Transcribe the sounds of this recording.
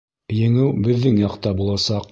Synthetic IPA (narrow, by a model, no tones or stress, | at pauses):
jɘ̆ŋɘwbɘ̆ðːɘŋjɑqt̪ɑbulˠɑsɑq